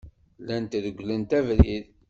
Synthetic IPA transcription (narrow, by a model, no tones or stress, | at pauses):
lænt̪ðəɡʷːlənt̪ævɾið